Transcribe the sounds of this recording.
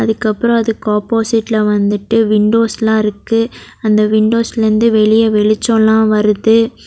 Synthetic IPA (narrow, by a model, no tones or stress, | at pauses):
ɐðɯkːɐpːɯɾɔ̃ɐðɯkaːpoːsɪʈːlɐʋɐnd̪ɯʈːɯʋɪɳɖoːslãːɪɾɯkːɯ | ɐnd̪ɐʋɪɳɖoːslɐɾɯnd̪ɯʋɛɭɪjɐʋɛɭɪt͡ʃːõlãːʋɐɾɯðɯ